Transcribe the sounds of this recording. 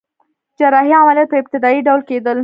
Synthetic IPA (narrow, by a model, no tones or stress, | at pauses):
d͡ʒaɾɑɦiamɑljat̪̚pəɪb̚t̪ɪd̪ɑiɖawlked̪əl